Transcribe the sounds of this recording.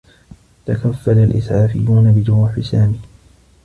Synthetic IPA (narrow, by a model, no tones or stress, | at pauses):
t̪akafːalalʔɪ̰sʕaːfɪ̰jːuːnabɪd͡ʒʊɾuːħɪsaːmiː